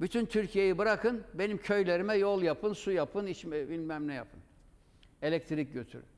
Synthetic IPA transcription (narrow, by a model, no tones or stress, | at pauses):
byt̪ʰynt̪ʰyɾcʰijejibɯɾakʰɯnbe̞nimcʰø̞jlʲeɾimɛjolˠjapʰɯnsujapʰɯnit͡ʃmɛbilʲmæmnɛja̰pʰɯn | e̞lʲɛc̚t̪ʰɾic̚ɟøt̪ʰy̰ɾy̰